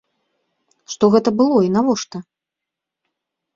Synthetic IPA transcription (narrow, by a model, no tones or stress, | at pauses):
ʂt̪ɔɣɛt̪ɐbɨlˠɔinavɔʂt̪ɐ